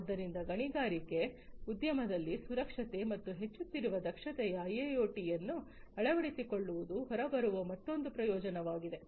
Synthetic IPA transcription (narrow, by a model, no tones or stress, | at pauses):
d̪ːɐɾind̪ɐɡɐɳiɡaːɾike̞ud̪jɐmɐd̪ɐlːisuɾɐkʂɐt̪e̞mɐt̪ːuɦe̞t͡ʃːut̪ːiɾuʋɐd̪ɐkʂɐt̪ɛjɐːjejoːʈijɐnːu | ɐɭɐʋɐɽisikoɭːuʋud̪uɦɔɾɐbɐɾuʋɐmɐt̪ːo̞nd̪upɾɐjɔːd͡ʒɐnɐʋaːɡid̪e̞